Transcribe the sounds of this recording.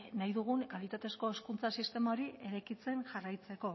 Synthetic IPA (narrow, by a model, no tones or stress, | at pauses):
najðuɣ̞unkalit̪at̪e̞sko̞eskunt͡sasist̪e̞mao̞ɾie̞ɾejkit͡se̞nʝarajt͡se̞ko̞